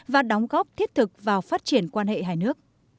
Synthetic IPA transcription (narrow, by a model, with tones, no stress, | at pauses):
vaː˨˩ɗɔ˨˦wŋ͡mɣɔ˦˥p̚t̪ʰi˦˥ət̚t̪ʰɨ˨˩k̚vaː˨˩wfaː˦˥t̚t͡ɕi˧˩ənkwaː˧nɦḛ˧˨ɦaː˨˧˩jnɨ˦˥ək̚